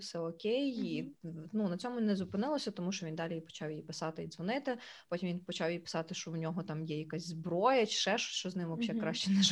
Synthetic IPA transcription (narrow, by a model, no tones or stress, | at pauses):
sɛɔkʲejjinunɐt͡sʲɔmʊnɛzʊpɪnɪlˠɔsʲɐt̪ɔmuʃt͡ʃɔʋʲind̪ɑlʲijipɔ̥t͡ʃɑwjipɪsɑt̪ɪid̪zʋɔnɪt̪ɪpɔtʲimʋʲinpɔt͡ʃɑwjipɪ̥sɑt̪ɪʃt͡ʃɔwnʲɔɦɔt̪ɑmjɛjɐkɑsʲzbɾɔjɐt͡ʃɪ̥ʃɛʃɔ̥sʲʃt͡ʃɔznɪmʋɔpʃɛkɾɑʃt͡ʃɛnɛʒ